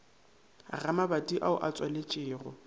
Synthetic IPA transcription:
a̰ramabatʼiʔaʊ̰ʔat͡sʼwalɪt͡ʃʼɪːrʊ

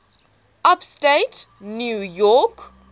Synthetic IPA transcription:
ʔapstetnjujɔk

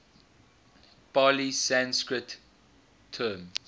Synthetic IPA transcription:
b̥alisãnskɹətʰː | əːm

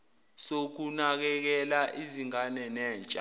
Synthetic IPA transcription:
sok̬unak̬ɛk̬ɛlaʔiziŋanɛnɛːnt͡ʃʼa

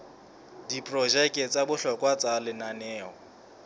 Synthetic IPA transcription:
dipʼrɔʒɛkʼɛt͡sʼabʊɬɔkʼwat͡sʼalɪnanɛːɔ

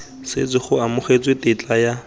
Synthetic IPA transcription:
sɪ̰t͡sɪχʊamʊχet͡sʼwetʼɪt͡ɬʼaja

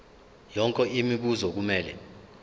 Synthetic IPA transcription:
jɔŋkʼɛimiɓuzɔk̬umɛːlɛ̰

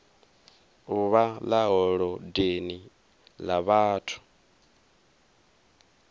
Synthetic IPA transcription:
uβalaɦɔɺɔdeni | laβaːtʰu̥

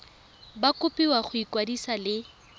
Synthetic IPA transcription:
bakʼʊpʼiwaχʊikwadisalɪ

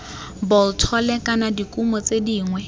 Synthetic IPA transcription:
bɔltʰɔlɛkʼanadikʼumɔt͡sediːŋwɛ

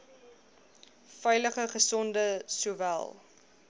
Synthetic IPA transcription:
fɛjləχəχəsɔndəsuːvæ̰lˠ

